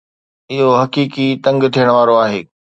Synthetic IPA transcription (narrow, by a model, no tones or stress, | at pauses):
ɪɦoɦɐkiːkit̪ɐ̃ŋɡt̪ʰijəɽ̃ʋaːɾoaːɦḛː